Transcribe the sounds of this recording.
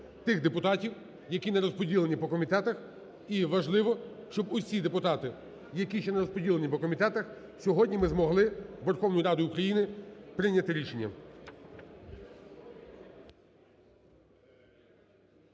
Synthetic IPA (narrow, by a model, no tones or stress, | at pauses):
t̪ɪxd̪epʊt̪ɑtʲiw | jɐkʲinɐɾɔspɔdʲilˠenʲipɔkɔmʲit̪ɛt̪ɐx | iʋɐʒlˠɪʋɔ | ʃt͡ʃɔbʊsʲid̪epʊt̪ɑt̪ɪ | jɐkʲiʃt͡ʃɛnɐɾɔspɔdʲilˠenʲipɔkɔmʲit̪ɛt̪ɐx | sʲɔɦɔdʲnʲimɪzmɔɦlˠɪʋerxɔwnʊjiɾɑd̪ʊjukɾɐjinɪpɾɪnʲɐt̪ɪɾʲiʃenʲːɐ